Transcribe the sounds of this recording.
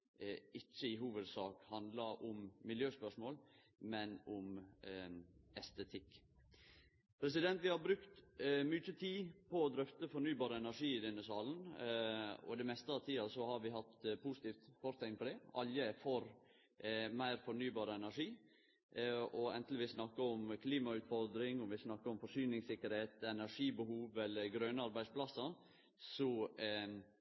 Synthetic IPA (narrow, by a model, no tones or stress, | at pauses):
ɪt͡ʃːəɪɦuːʋəd̪sɑːkhɑnd̪ləɾʔʊmmɪljøːspœʂmoːl | mɛnʊm | ɛst̪ət̪ʰɪkː | pʰɾɛs̬ɪd̪ɛnt̪ʋɪhɑɾbɾʉkt̪mʏt͡ʃːət̪ʰiːpʰɔɔd̪ɾœft̪əfɔɳyːbɑːɾəɛnæʂiːɪd̪ɛnːəsɑːln | ɔ̰d̪ɛmɛst̪əɑʋt̪ʰiːɑsɔhɑɾʋɪɦɑt̪pʰusɪ̥t̪iːft̪fɔɾt̪ʰæɪŋpʰɔd̪ɛʔɑ̰ljəfoːɾ | mæɪɾfɔɳyːbɑːɾəɛnæɾʂiː | ɔɛ̰nt̪lɪʋɪsnɑkːəɔmkʰliːmɑʉːt̪fɔld̪ɾɪŋɔmʋɪsnɑkːəɾɔmfɔʂyːnɪŋsɪkːəɾheːt̪ɛnæʂiːbəhuːʋɛlːəɾɡɾœnəɑɾbæɪsplɑsːɑ | sɔ